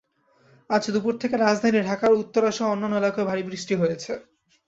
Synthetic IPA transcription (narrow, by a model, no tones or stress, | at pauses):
ad͡ʑd̪upuɾt̪ʰekeɾad͡ʑd̪ʱaniɖʱakaɾut̪ːoɾaʃoɔnːanːoelakebʱaɾibɾiʃʈiɦojet͡ɕʰe